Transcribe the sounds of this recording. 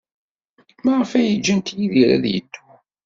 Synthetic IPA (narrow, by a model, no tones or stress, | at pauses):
maʁəfæjəd͡ʒːənt̪jiðiɾæ̰ðjə̰d̪ːu